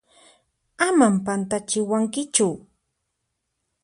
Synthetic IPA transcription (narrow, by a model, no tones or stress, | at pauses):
amampant̪at͡ʃɪwaŋkɪt͡ʃʊ